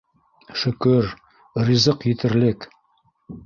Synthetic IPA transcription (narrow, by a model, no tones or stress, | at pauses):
ʃɵ̆kɵɾ | rizɤqjɘ̆t̪ɘ̆ɾlɘk